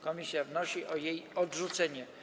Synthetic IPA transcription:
kɔmʲisʲjavnɔɕiʔɔjejɔdʐut̪sɛɲɛ

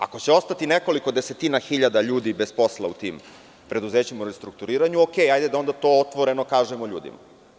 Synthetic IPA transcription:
a̰ko̞t͡ɕeo̞st̪at̪ine̞ko̞liko̞d̪eset̪inaxiʎad̪aʎuːd̪ibe̞spo̞slˠa̰ut̪iːm | pɾe̞d̪uze̞ːt͡ɕimuɾest̪ɾuk̚t̪uɾiːɾaɲuoke̞jajd̪e̞d̪ao̞nd̪at̪o̞ːot̪ʋoɾe̞no̞kaːʒemoʎṵːd̪ḭma̰

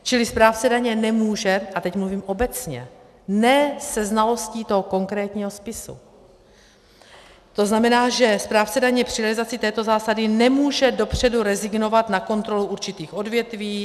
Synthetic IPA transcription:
t͡ʃɪlɪspɾaːft͡sɛdaɲɛnɛmuːʒɛʔat̪ɛcmluviːmʔo̞bɛt͡sɲɛ̰ | nɛːsɛznalo̞sciːt̪oɦoko̞ŋkɾɛːt̪ɲiːɦo̞spɪsṵ | t̪o̞znamɛnaːʒɛspɾaːft͡sɛdaɲɛpr̝̥ɪɾɛlɪzat͡sɪt̪ɛːt̪o̞zaːsadɪnɛmuːʒɛdo̞pr̝̥ɛduɾɛzɪɡno̞vat̪nako̞nt̪ɾo̞luʔuɾt͡ʃɪt̪iːxʔo̞dvjɛt̪viː

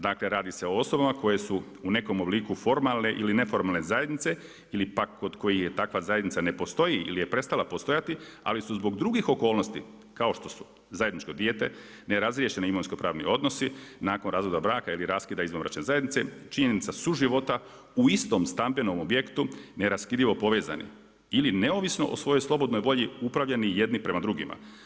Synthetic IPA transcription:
d̪aːkle̞ɾaːd̪ise̞o̞o̞so̞bamako̞je̞su | une̞ko̞moblikufo̞ɾmalne̞ʔiline̞fo̞ɾmaːlˠne̞zaje̞d̪nit̪se | ilipakːo̞d̪ko̞jiçjet̪akʋazajed̪nitsane̞po̞st̪o̞jiḭlije̞pɾe̞st̪alˠapo̞st̪o̞jat̪ia̰lisuzbo̞ɡd̪ɾuɡixo̞ko̞ːlˠnost̪i | kao̞ʃt̪o̞su̥ | zaje̞d̪nit͡ʃko̞d̪je̞ːt̪e̞̰ | neɾazɾjeʃe̞niimoʋinsko̞pɾaːʋnḭo̞d̪no̞sinaːkonɾaːzʋo̞d̪abɾaːkailiɾaskiːd̪aizʋonʋɾa̰t͡ʃnezajed̪nit̪sḛt͡ʃiɲe̞nit̪sasuʒiʋo̞t̪a | uist̪o̞mst̪ambe̞nomobje̞kt̪uneɾaskid̪ʎiʋo̞po̞ʋe̞ːza̰nḭ | iline̞o̞ʋisno̞̰ʔo̰sʋo̞jo̞jslˠo̞bo̞d̪nojʋo̞ʎiupɾaʋʎanije̞d̪nipɾe̞mad̪ɾuɡima̰

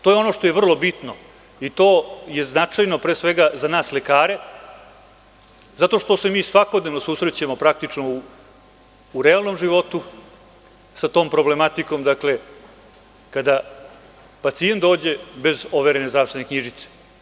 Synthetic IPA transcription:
t̪oːjeono̞ʂt̪o̞jevr̩lˠo̞bit̪no | it̪o̞ːje̞znat͡ʂajno̞pɾeːsʋeɡazanaːslekaːɾe̞ | zat̪o̞ʂt̪o̞se̞miːsʋako̞d̪ne̞ʋnosusɾet͡ɕamo̞pɾak̚t̪it͡ʂno̞u | ɾealˠno̞mʐiʋo̞t̪u | sat̪o̞ːmpɾo̞ble̞mat̪iko̞md̪akle̞ | kad̪a | pat̪sient̪d̪o̞ːd͡ʑe̞be̞zo̞ʋeɾene̞zd̪ɾaːfst̪enekɲiʒit̪se̥

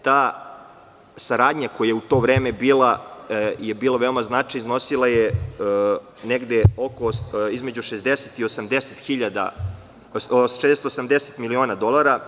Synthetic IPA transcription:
t̪aː | saɾaːd̪ɲakojajeut̪o̞ʋɾeːmebiːlˠa | jebiːlaʋe̞omaznat͡ʃajizno̞silˠaje | neɡd̪eokoizme̞d͡ʑuʃezd̪eset̪iosamd̪eset̪xiʎad̪a̰ | ʃed̪est̪osamd̪eset̪milioːnad̪o̞lˠaɾa

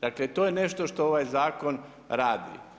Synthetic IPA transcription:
d̪̥aklet̪oːjene̞ʃt̪o̞ʃt̪ooʋajzaːko̞n | ɾaːd̪ḭ

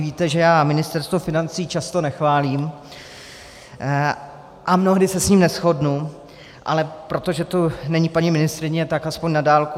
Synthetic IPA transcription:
viːt̪ɛʒɛjaːmɪnɪst̪ɛɾst̪vofɪnant͡siːt͡ʃast̪o̞nɛxvaːliːm | ʔamno̞ɦdɪsɛsɲiːmnɛsxo̞dnu | ʔa̰lɛpɾo̞t̪o̞ʒɛt̪onɛɲipaɲɪmɪnɪst̪ɾɪɲɛt̪akaspoɲnadaːlku

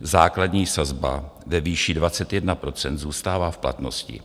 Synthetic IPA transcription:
zaːkladɲiːsazba̰vɛviːʃɪdvat͡sɛt̪jɛdnapɾo̞t͡sɛnd̪zuːst̪aːvaːfpla̰t̪no̞̰scɪ̰

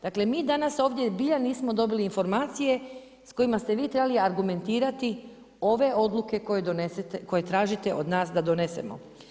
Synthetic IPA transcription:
d̪aklemiːd̪anaso̞ːʋd̪ʲje̞biʎaniːsmo̞d̪o̞biliːnfo̞ɾmaːt̪sije̞ | sko̞jimast̪e̞ʋiːt̪ɾe̞baliaɾɡume̞nt̪iːɾat̪i | o̞ʋe̞o̞d̪lˠuke̞kojed̪onest̪ko̞jet̪ɾaːʒit̪e̞ʔod̪naːsd̪ad̪one̞se̞̰mo̰

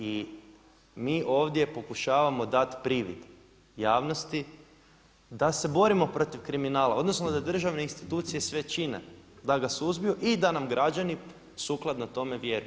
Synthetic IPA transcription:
i | miːʔo̞ːʋd̪je̞po̞kuʃaːʋamo̞d̪at̪pɾiʋḭd̪ | jaːʋno̞st̪i | d̪ase̞bo̞ɾimo̞pɾo̞t̪iʋkɾiminaːlao̞d̪no̞snod̪ad̪r̩ʒaʋne̞inst̪i̥t̪uːt̪sije̞sʋe̞t͡ʃine̞̰d̪aɡasuzbijuʔid̪anamɡɾʔad͡ʑani | suːklˠad̪not̪o̞me̞ʋje̞ɾuj

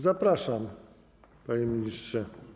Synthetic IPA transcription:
zapɾaʂam | paɲemʲiɲistʂɛ

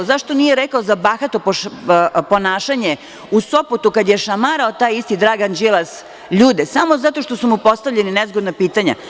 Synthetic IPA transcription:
zaʃt̪o̞nijeɾekaozabaxat̪opopo̞naːʃaɲe | usopot̪ukad̪jeʃamaɾaot̪aːjist̪id̪ɾaːɡand͡ʒilˠas | ʎuːd̪esamozat̪o̞ʃt̪o̞sumupo̞st̪aʋʎeninezɡod̪napiːt̪aɲa̰

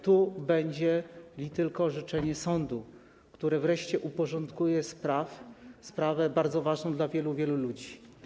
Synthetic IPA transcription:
t̪ubɛɲd͡ʑɛlʲit̪ɘlkɔʐɘt͡ʂɛɲɛsɔnd̪u | kt̪uɾɛvɾɛʂt͡ɕɛʔupɔʐɔnt̪kujɛspɾafspɾavɛbaɾd̪zɔvaʐnɔ̃d̪lavʲjɛluvʲjɛlulud͡ʑi

